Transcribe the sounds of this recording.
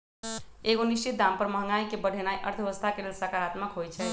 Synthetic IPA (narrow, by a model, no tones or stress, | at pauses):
eɡonist͡ʃit̪̚d̪ampəɾməɦəŋɡaikebəɽʱenajʔə̰ɾt̪ʰeʋəst̪ʰakelelsəkaɾat̪məkɦojt͡ʃʰɛ